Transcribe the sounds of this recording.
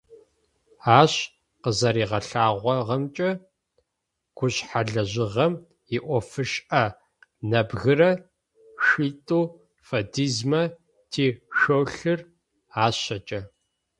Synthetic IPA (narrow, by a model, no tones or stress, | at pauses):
aːɕ | qəzɐɾiːʁɐɬaːʁʷɔʁɐmt͡ʃʼɐ | ɡ̥ʷʊɕħaɮɐʑɪʁɐm | iʔʷɔfɨʃɐ | nɐbɣɨrɐ | ʃiːtʼuː | fɐdiːzmɐ | tʰeːʃowɬɨr | aːɕɐt͡ʃʼɐ